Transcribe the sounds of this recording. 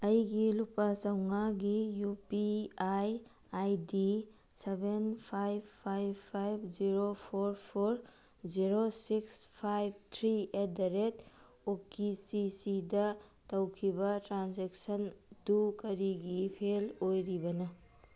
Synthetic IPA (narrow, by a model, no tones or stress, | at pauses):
ɐjɡilupasɐwŋaɡijupiaj | ajdi | sebenpʰajbpʰːajbpʰːajbʰziɾopʰoɾpʰoɾ | ziɾosikspʰajb̚t̪ʰɾiedɐɾet | okːisisidɐtɐwkʰibɐtɾansek̚sɐndukɐɾiɡipʰelojɾibɐnɐ